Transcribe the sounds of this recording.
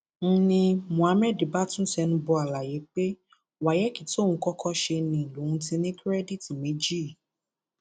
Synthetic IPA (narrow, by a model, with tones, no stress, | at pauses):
n̩˦nĩ˧mũ˨a˨˦mɛ˦˨di˨ba˦tũ˦sɛ˧nũ˧bɔ˧a˨la˨je˨˦k͡pe˦ | wa˨jɛ˦ki˨tõ˦˨ũ˧kɔ˦kʰɔ˦ʃe˧nĩ˨lo˨ũ˧˦tĩ˧nĩ˦kɾɛ˦di˦˨ti˨mẽ˨˦d͡ʒi˦˨